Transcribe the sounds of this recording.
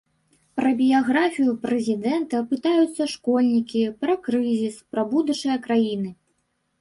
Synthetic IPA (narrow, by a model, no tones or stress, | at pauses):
pɾɐbʲijaɣɾafʲijupɾɛzʲid̪ɛnt̪ɐpɨt̪ajut̪sːɐʂkɔlʲnʲikʲipɾɐkɾɨzʲispɾɐbud̪ut͡ʂɨjɐkɾajinɨ